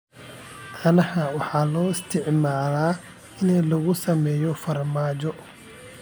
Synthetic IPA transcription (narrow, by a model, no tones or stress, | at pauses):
ʔɐnɐhɐwɑħɑːlɔːɪst̪ʰɪʕmaːlaː | ɪnɛlɐɣʊsɐmɛːjɔfɐrmaːt͡ʃɔ